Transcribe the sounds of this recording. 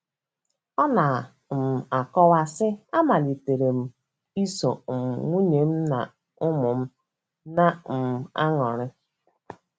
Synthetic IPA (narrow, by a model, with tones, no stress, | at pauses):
ɔ˦na˨ | m̩˨a˨kɔ˦wa˨sɪ˦a˦ma˨li˨te˨ɾe˨m̩˨ | i˦so˨m̩˨ŋu˦ɲe˨m̩˦na̰˨ | ʊ˦mʊ˨m̩˦ | na˦m̩˨a˦ŋɔ˨ɾɪ˦